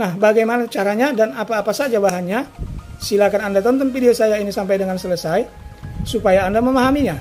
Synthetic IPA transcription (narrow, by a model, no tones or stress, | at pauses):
nahbaɡajmanat͡ʃaɾaɲadanapaːpasad͡ʒabaɦanɲasilakanandat̪ɔnt̪ɔnfideosajainisampajdəŋansələsaj | supajaːndaməmaɦamiɲa